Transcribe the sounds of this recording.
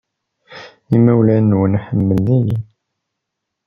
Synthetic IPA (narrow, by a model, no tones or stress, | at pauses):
imːæwlænːwənħəmːəlːiji